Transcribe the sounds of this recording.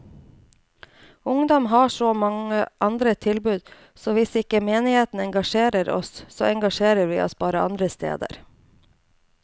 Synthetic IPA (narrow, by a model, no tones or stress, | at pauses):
ʊŋd̪ɔmɦɑːʂoːmɑŋəʔɑnd̪ɾət̪ʰɪlbʉːd̪ | soːʋɪsɪkəmeːnɪheːt̪n̩ɛŋɡɑʃeːɾəɾɔ̰sso̰ːɛŋɡɑʃeːɾəɾʋḭːʔɔ̰sbɑːɾəʔɑ̰nd̪ɾəst̪ḛːd̪ə̰ɾ